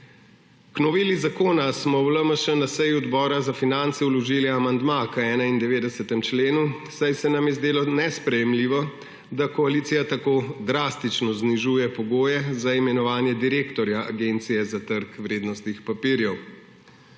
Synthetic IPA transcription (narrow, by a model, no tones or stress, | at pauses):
knɔʋiːlizakoːnasmɔwləməʃənasɛjuɔd̪bɔːɾazafinant̪sɛulɔʒiːliamand̪makəɛːnaind̪ɛʋeːd̪ɛsət̪ɛmt͡ʃleːnu | sajsɛnamjɛzd̪eːlɔnɛspɾɛjɛmliʋɔ | d̪akɔalit̪sijat̪akoːd̪ɾast̪it͡ʃnɔzniʒuːjɛpɔɡoːjɛzaimɛnɔʋaːnjɛd̪iɾeːkt̪ɔɾjaa̰ɡeːnt̪sijɛzat̪əɾkʋɾeːd̪nɔst̪nixpapiːɾjɛw